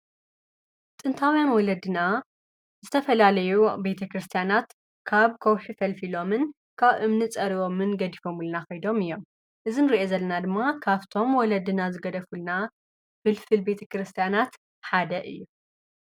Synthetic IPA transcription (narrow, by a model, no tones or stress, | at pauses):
t̪ʼɨnt̪ʰawjanwɔlɐd̪ɨna | zɨt̪ʰɐfɐlalɐjube̞t̪ʰɐkɾɨst̪ʰijanat̪ | kʰaβkʰowħifɐlfilo̞mɨn | kʰaβʔɨmnɨt͡sʼɐɾio̞mɨnɡɐd̪ifo̞mulɐnaxɐjd̪o̞mɨjːo̞m | ʔɨzinɨɾiʔezɐlːɐnad̪ɨmːakʰaβt̪ʰo̞mwɔlɐd̪ɨnazɨɡɐd̪ɐfulna | fɨlfɨlbe̞t̪ʰɐkɾɨst̪ʰijanat̪ | ħad̪ɐʔɨ̰jːu